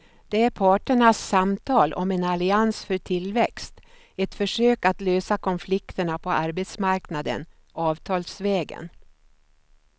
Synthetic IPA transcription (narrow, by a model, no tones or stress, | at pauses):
d̪̥ɛæɾpʰɑːʈəɳasːamt̪ʰɑːlʔɔ̰mɛnalɪansfœʈ̪ʰɪlvɛkst̪ | ɛt̪fœʂøːkat̪løːsakʰɔnflɪkt̪əɳapʰɔaɾbet̪smaɾknad̪ə̰n | ʔɑːvt̪ʰɑːlsvɛːɡə̰n